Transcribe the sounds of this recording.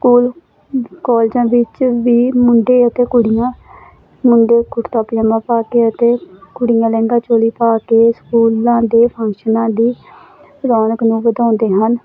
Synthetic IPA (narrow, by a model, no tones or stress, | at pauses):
skuːl | kɔːld͡ʒãːʋɪt͡ʃʋiːmʊɳɖeːət̪eːkʊɽɪjãː | mʊɳɖeːkʊʈt̪aːpjaːmãːpaːkeːət̪eːkʊɽɪjãːlɛ̃ːŋɡãːt͡ʃoːliːpaːkeːskuːlãːd̪eːpʰə̃ŋkʃənãːd̪iː | ɾɔːnəknũːʋəd̪ãːnd̪eːɦən